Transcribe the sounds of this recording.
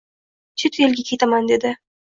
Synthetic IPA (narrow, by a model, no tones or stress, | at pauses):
t͡ʃʰɪt̪jelɡʲakʲʰe̞t̪amand̪e̞d̪ɪ